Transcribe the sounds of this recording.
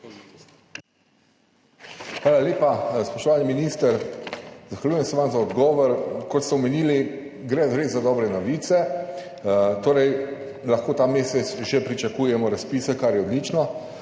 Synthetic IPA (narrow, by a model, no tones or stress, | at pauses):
xʋaːlaleːpaspɔʃt̪ɔʋaːlniminiːst̪əɾzaxʋalʲjujɛmsɛʋamzaɔd̪ɡɔːʋɔɾkɔt̪st̪ɛɔmeniːliɡɾɛzɾeːzad̪ɔːbɾɛnɔʋiːt̪sɛ | t̪oːɾɛj | laxkoːt̪aːmeːsɛsʒɛpɾit͡ʃakujɛmɔɾaspiːsɛkaɾjɛɔd̪lit͡ʃnɔ